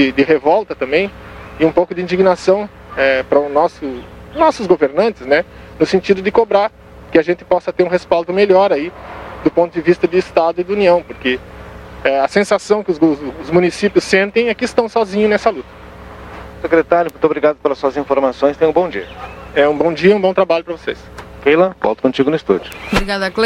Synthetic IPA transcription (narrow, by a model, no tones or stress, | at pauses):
ɪd̪ɪɦevɔwt̪ɐt̪ɐ̃mbẽj̃ɪũpowkʊd̪ɪĩnd͡ʒ̪iɡnasɐ̃w̃ | ɛpɾɐʊnɔsʊnɔsʊzɡoveɾnɐ̃nt̪ɪznɛ | nʊsẽnt͡ʃ̪id̪ʊd̪ɪkobɾaɾ | kɪaʒẽnt̪ɪ̥pɔsɐt̪eɾũɦespalˠd̪ʊmeʎɔɾaid̪ʊpõnt̪ʊd̪ɪvist̪ɐd̪ɪːst̪ad̪ʊid̪uniɐ̃w̃poɾke | ɛɐsẽsasɐ̃w̃kɪʊʊzmũnisipjʊsːẽnt̪ẽj̃ɛkɪːst̪ɐ̃w̃sɔzĩɲʊnɛsɐlut̪ɐ̥ | sekɾet̪aɾjʊmũt̪ʊobɾiɡad̪ʊpelɐsuɐzĩfoɾmasõj̃st̪ẽj̃ũbõd͡ʒḭɐɛũbõw̃d͡ʒiɐũbõt̪ɾabaʎʊpɾɐvosḛskejlɐ̃vɔ̰t̪ʊkõt͡ʃiɡʊnʊɪst̪ṵd͡ʒʊbɾiɡad̪ɐkle